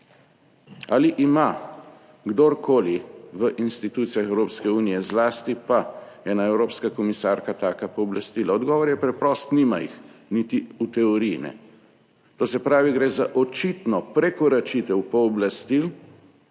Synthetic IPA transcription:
aliʔima | ɡd̪oɾkʰoːliʋəʔinst̪it̪uːt̪sijaxɛwɾoːpskɛuːnijɛzlaːst̪ipa | ɛnaɛwɾoːpskakɔmisaɾkat̪aːkapɔːblast̪iːlaɔd̪ɡɔːʋɔɾjɛpɾɛpɾɔst̪nimajḭxnit̪iut̪ɛɔɾijnɛ̰ | t̪oːsɛpɾaːʋiɡɾeːzaʔɔt͡ʃit̪nɔpɾɛkɔɾat͡ʃit̪ɛwpɔːblast̪il

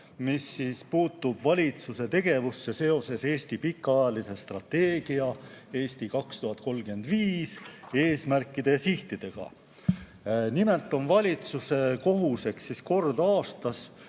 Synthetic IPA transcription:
misːiːspuːt̪ːubvɑlʲit̪suse̞t̪e̞ɡ̥e̞vusːe̞se̞o̞se̞se̞ːst̪ipikːˑɑjɑlise̞st̪rɑt̪ːe̞ːɡ̥iɑe̞ːsʲt̪ikɑkst̪uɦɑt̪̚ːˑko̞lɡyend̪̥viːse̞ːsmærkːˑid̪̥e̞siht̪id̪̥e̞ɡ̥ɑ̰ | nime̞lt̪ːˑo̞nvɑlʲit̪suse̞ko̞ɦuse̞ksːisko̞rd̪ɑːst̪ɑs

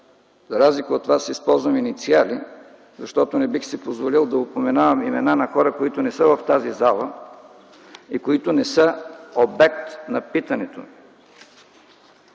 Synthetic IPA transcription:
zɐɾazlikəot̪vasispɔlˠzvɐminit̪siali | zɐʃt̪ɔt̪onɛbixsipozvolilˠd̪ɐopomɛnavɐmimɛnanɐxɔɾəkoit̪ʊnɛsəvɐft̪azizalˠə | ikoit̪ʊnɛsəobɛkt̪nɐpit̪ɐnɛt̪o̰

